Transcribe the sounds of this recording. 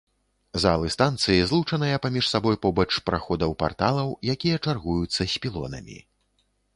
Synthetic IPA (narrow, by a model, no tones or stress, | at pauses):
za̰lˠɨst̪ant̪sɨjizlˠut͡ʂɐnɨjɐpamʲiʂsabɔjpɔbɐt͡ʂpɾaxɔd̪ɐwpa̰rt̪alˠɐwjakʲijɐt͡ʂarɣujut̪sːɐsʲpʲilˠɔ̰nɐ̰mʲḭ